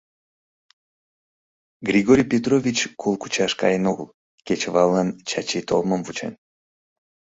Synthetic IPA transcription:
ɡɾʲiɡoɾʲjpʲet̪rovʲit͡ɕkʰolˠku̥t͡ʃɑʃkɑ̰jenoɣlˠ | kʲet͡ɕvɑlˠːɑnt͡ɕat͡ɕit̪ʰoməmvut͡ʃḛn

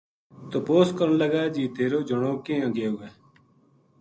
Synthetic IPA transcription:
t̪oːpoːskəɾnləɡaːd͡ʒiːt̪eːɾoːd͡ʒəɽ̃oːkẽːə̃ɡeːoːɡɛː

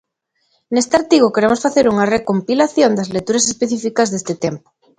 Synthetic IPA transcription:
nest̪eaɾt̪iɣ̞okeɾemosfaθeɾuŋarekompilaθjond̪azlekt̪uɾasespeθifikazðest̪et̪empo̥

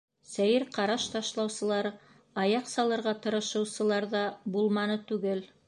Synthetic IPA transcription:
sæjɘɾqɑɾɑʃt̪ɑʃlˠɑwsɤ̆lˠɑɾ | ɑjɑqsɑlˠɤ̆ɾʁɑt̪ɤ̆ɾɤ̆ʃɤ̆wsɤ̆lˠɑɾðɑbulˠmɑnɤt̪ʉɡɘl

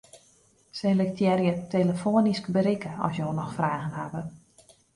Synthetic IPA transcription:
sɛlək̚tjɛrjəteləfoəniskbəɾikəɔ̰sjoːnɔxfraːɣənhabə

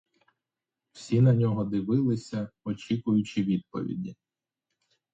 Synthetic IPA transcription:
w̥sʲinɐnʲɔɦɔd̪ɪʋɪlˠɪsʲɐɔt͡ʃʲikʊjʊt͡ʃiʋʲid̪̚pɔ̰ʋʲḭdʲi

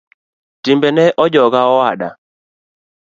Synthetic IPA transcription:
timbɛnɛʔɔd͡ʒɔɡaɔaɗa̰

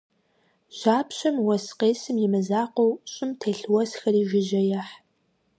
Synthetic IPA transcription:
ʒ̥aːpʰɕɐmwɐsqeːsɨmjɪmɨzaːqʷowɕʼɪmtʰeːɬwɐsxɐriːʒʷɪʒɐjaħ

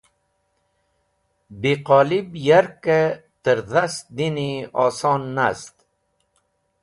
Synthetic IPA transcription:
biqɔːlibjaɾket̪əɾðast̪̚d̪iniɔːsɔːnːast̪

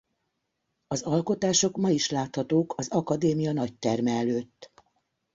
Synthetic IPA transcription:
ɒzɒlko̞t̪aːʃo̞kmɒiʃlaːt̪hɒt̪oːkʰɒzɒkɒd̪eːmijɒnɒct̪ɛrmɛːløːt̪ː

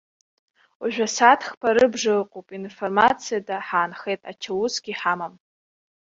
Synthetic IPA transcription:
aʒᶣʷasatʰχpʰaɾɨbʐɨqʼopʼinformat͡sʰijadaħaːnχe̞jtʼa̰t͡ʃʰawusɡʲiħamam

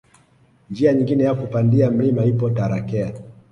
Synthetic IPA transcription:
nd͡ʒiaɲiŋɡinɛjakupandiam̩limaipɔtaɾakɛa

